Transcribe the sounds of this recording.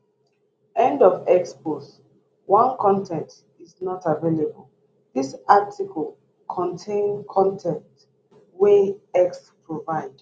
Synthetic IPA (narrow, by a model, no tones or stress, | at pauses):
ɛ̃ndɔvɛkspos | wãnkʰɔ̃ntʰɛ̃nt | iznɔtavelebəlˠ | ðisatʰikɔlˠ | kʰɔ̃ntʰẽnkʰɔ̃ntʰɛ̃nt | weɛkspʰɹovaɪd̥